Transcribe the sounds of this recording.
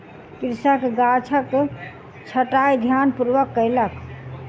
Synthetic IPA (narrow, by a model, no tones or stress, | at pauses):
kiɾsakɡat͡ʃʰək | t͡ʃʰəʈajd̪ʱjanpuɾʋəkːəjlək